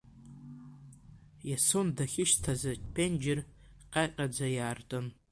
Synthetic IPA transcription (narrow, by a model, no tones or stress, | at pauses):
jasondaχʲɪʃtʰazat͡ʃʼpʰend͡ʒɪr | qʼajqʲʼad͡zajaːrtʼɨn